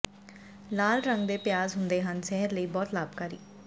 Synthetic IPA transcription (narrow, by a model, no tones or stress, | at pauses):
laːlɾə̃ŋɡd̪eːpɪjaːzɦʊ̃nd̪eːɦənsɛɦəɾləiːbɔːt̪laːb̚kaːɾḭː